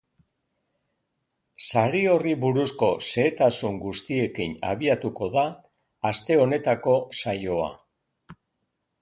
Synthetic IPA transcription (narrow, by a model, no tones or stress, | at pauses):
saɾio̞riβuɾusko̞se̞ːt̪asuŋɡust̪ie̞kina̰β̞iat̪uko̞ðaː | st̪e̞o̞ne̞t̪ako̞sajo̞a̰